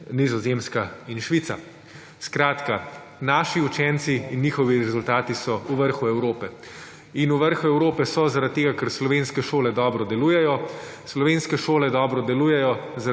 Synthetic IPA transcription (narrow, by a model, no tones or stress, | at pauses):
nizɔzemskainʃʋit̪sa | skɾaːt̪ka | naːʃiut͡ʃɛnt̪siːnːiːxɔʋiɾɛzult̪aːt̪isɔuʋəɾxuɛwɾoːpɛ | inuʋəɾxuɛwɾoːpɛsɔzaɾat̪t̪ːeːɡakɛɾslɔʋeːnskɛʃoːlɛd̪ɔːbɾɔd̪ɛluːjɛjɔ | slɔʋenskɛʃoːlɛd̪ɔːbɾɔd̪ɛluːjɛjɔza